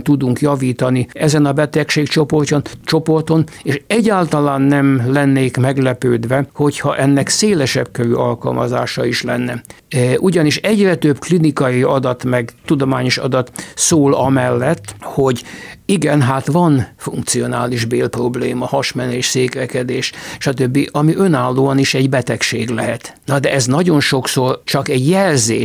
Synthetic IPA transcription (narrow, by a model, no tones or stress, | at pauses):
t̪ud̪uŋkjɒviːt̪ɒniɛzɛnɒbɛt̪ɛkʃeːkt͡ʃo̞po̞rcont͡ʃo̞po̞rt̪o̞neːʃɛɟːaːlt̪ɒlaːnːɛmlɛnːeːkmɛɡlɛpøːd̪ʋɛho̞chɒʔɛnːɛkseːlɛʃɛbkøɾyːɒlkɒ̰lmɒza̰ːʃɒiʃlɛnːɛ | ʔuɟɒniʃɛɟrɛt̪øbklinikɒiɒd̪ɒt̪mɛɡt̪ud̪o̞maːɲo̞ʃɒ̰d̪ɒt̪soːlɒmɛlːɛt̪ːho̞ɟiɡɛnɦaːt̪ʋɒnfuŋkt̪sio̞naːliʒbeːlpro̞bleːmɒhɒʃmɛneːʃseːkʋɛkɛd̪eːʃʃɒt̪ø̞bːiʔɒmiʔø̞naːlːoːɒniʃɛɟbɛt̪ɛkʃeːɡlɛɦɛt̪nɒd̪ɛɛznɒɟo̞nʃo̞ksort͡ʃɒkɛɟjɛlzeː